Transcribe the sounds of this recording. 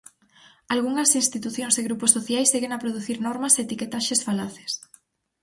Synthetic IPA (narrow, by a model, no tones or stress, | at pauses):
alɣuŋɐsinst̪it̪uθjõŋseɣɾuposːoθjajsːeɣeŋapɾoð̞uθiɾnɔɾmɐseːt̪iket̪aʃesfalaθe̥s